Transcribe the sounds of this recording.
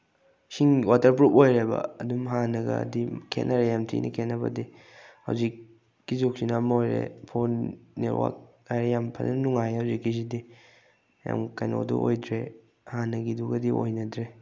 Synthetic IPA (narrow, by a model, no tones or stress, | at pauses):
siŋwatɐɾpɾupojɾebɐ̰ɐdumɦanɐɡɐ̰dikʰḛtnɐɾejamtʰḭnʔɐ̰kʰet̚nɐbɐ̰di | ha̰wzik̚ː | izuk̚sinamojɾḛpʰonːeɾwa̰k̚ | ajɾejampʰɐnɐnuŋajhawzikːisidi | ja̰mkajno̰dṵʔojdɾe | hanɐɡiduɡɐdiojnɐdɾe